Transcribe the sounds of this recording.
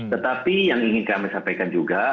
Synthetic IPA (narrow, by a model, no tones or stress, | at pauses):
t̪ət̪apijaŋiŋɪnkɾamɛsampajkand͡ʒuɡa